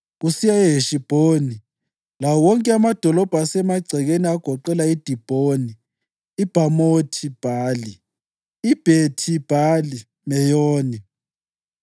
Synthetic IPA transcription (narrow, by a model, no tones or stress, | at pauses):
ɣusijaɛɦeʃib̥ʱoni | lawɔŋkʼɛamad̥ʱɔlɔb̥ʱasɛmaɡ͡ǀʱɛɣeniaɡ̥ʱɔǃɛlaid̥ʱib̥ʱoniː | b̥ʱamotʰib̥ʱaːli | ib̥ʱetʰib̥ʱali | mɛjoːni